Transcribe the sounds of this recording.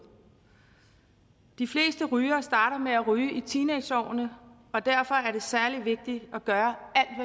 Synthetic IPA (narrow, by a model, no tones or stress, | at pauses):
d̥ifle̝̰ːsd̥əʁyːɐːsd̥ɑ̈ːɾɐmeæʁyːʔit͡sʰiːne̥ɒ̰ʊ̰nə | ɒ̽d̥æɐ̰fɒ̽æɐɾe̝sæɐliʋe̝ɡ̥̚d̥iɒɡ̥ɶːɐæl̰d̥ʋæ